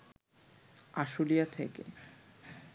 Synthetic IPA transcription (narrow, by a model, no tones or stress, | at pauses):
aʃulijat̪ʰḛkḛ